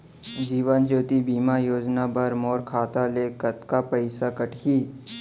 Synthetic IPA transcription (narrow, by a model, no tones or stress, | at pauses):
d͡ʒiːʋənd͡ʒoːt̪ibiːmajoːd͡ʒnabəɾmoːɾkʰaːt̪aleːkət̪kapəɪsakəʈʰiː